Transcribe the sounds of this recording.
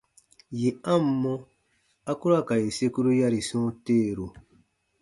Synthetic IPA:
je˨ã˦mː˦ɔ̃˦ | a˦ku˦ɾa˦˨ka˨je˨se˦ku˦ɾu˦ja˦ɾi˨sɔ̃˦teː˦˨ɾu˨

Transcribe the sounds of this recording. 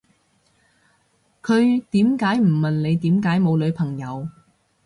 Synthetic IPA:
kʰɵ˨˧ɥt̪iː˨˥mkaː˨˥jm̩˨˩mɐ˨nle˨˧jt̪iː˨˥mkaː˨˥jmo˨˧wlɵ˨˧ɥpʰɐ˨˩ŋjɐ˨˧w

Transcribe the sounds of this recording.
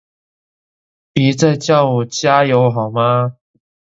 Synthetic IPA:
pi˨˥t͡sa˥˧ɪt͡ɕjɑ˥˧ʊu˨˩t͡ɕja˦jo˨˧˥ʊɦɑ˨˩ʊma˦

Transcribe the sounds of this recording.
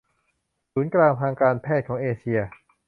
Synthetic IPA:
suː˩˦nklaː˧ŋt̪ʰaː˧ŋkaː˧npʰɛː˥˩t̪̚kʰɔː˩˦ŋʔeː˧t͡ɕʰi˧ɐ

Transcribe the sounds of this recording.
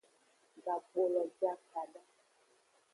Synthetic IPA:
ɡa˨ɡ͡bo˨lɔ˨d͡ʒa˦ka˨ɖa˦

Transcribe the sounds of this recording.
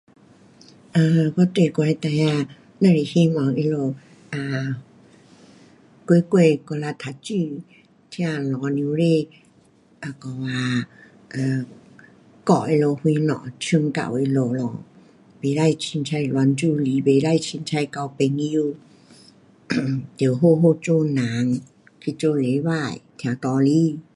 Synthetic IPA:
ʔa˧˨kɔ˧˦t̪e˨ko˧a˧t̪a˧ja˧ | na˧˨ɾe˧˨hi˧ma˨˧˦ŋʔi˧lo˧˨ | ʔa˨ | kwe˧˦kwe˧˨kɔ˧la˧t̪ʰa˨˧˦t͡ɕi˧˨ | t̪ʰjã˧˨lɔ̃˨˦nĩ˧˦ɾe˧˨ | ʔa˧˨kɔ˧˨waː˧ | ʔaː˧˨ | kɔ˧˨˩i˧lɔ˧hu˧nɔ̰˧˨t͡ʃʰɯ˧˨ŋka̰˨wi˧lɔ˧lɔ˧˨ | be˨˧˦la˧˨jt͡ʃʰi˧nt͡ʃʰa˧jlɔ˧˦nt͡ʃu˧li˨˦be˨˧˦la˧˨jt͡ʃʰi˧nt͡ʃʰa˧jka˧˨wpe˧ŋi˧ | d̪i˨˦wɦo˧˨ɦo˧˨t͡ʃo˧˨naː˨˦ŋ | kʰi˧t͡ʃo˧le˨˦waː˧˨jt̪ʰi˧a˨˧t̪ɔː˧li˧˨

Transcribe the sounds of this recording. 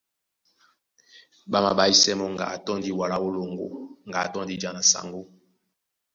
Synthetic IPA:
ɓa˦ma̰˨ɓa˨i˦sɛ˦mɔ˦ŋɡa̰˨a˨tɔ˦ndi˦wa˨la˦o˦lo˨ŋɡo̰˨ŋ˨ɡa˨a̰˨tɔ˦ndi˦d͡ʒa˨na˨sa̰˨ŋɡo˦

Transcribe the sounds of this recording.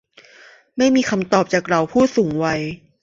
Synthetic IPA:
ma˥˩jmiː˧kʰa˧mt̪ɔː˨˩p̚t͡ɕaː˨˩k̚ɾa˧wpʰuː˥˩suː˩˦ŋwa˧j

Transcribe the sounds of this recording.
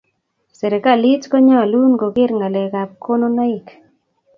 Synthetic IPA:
sɛ˨ɾe˨ka˦˨li˦t͡ʃkɔ˦ɲɔ˦a˨lu˦nɡo˨ɡɪ˦ɾŋa˨lɛ˨ka˨p̚ko˦no˦na˦ɪ˨k

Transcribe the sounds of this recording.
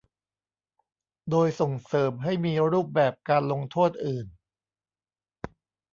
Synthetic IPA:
doː˧jso˨˩ŋsɤː˩˦mɦa˥˩jmiː˧ɾuː˥˩p̚bɛː˨˩p̚kaː˧nlo˧ŋt̪ʰoː˥˩t̪̚ʔɯː˨˩n

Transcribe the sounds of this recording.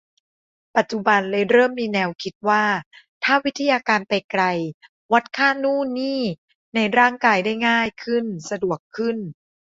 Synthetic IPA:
pa˨˩t̪̚t͡ɕu˧˩ba˧nlɤː˧jɾɤː˥˩mːiː˧nɛː˧wkʰi˦˥t̪̚waː˥˩ | t̪ʰaː˥˩wi˦˥t̪ʰːa˧jaː˧kaː˧npa˧jkɾa˧j | wa˦˥t̪̚kʰaː˥˩nuː˥˩niː˥˩ | na˧jɾaː˥˩ŋkaː˧jda˥˩jŋaː˥˩jkʰɯ˥˩nsa˧du˨˩əkʰːɯ˥˩n

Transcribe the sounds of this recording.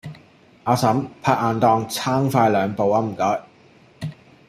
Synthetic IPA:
ʔaː˨˧sɐ˨˥mpʰaː˧k̚aː˨˧nt̪ɔː˧ŋt͡sʰaː˥ŋfaː˧jlœː˨˧ŋpo˨wa˨˥m̩˨˩kɔː˨˥j

